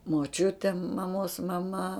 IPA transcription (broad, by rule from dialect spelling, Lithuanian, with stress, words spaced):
moːˈt͡ʃʲʊtʲeː mɐˈmoːs mɐˈmɐ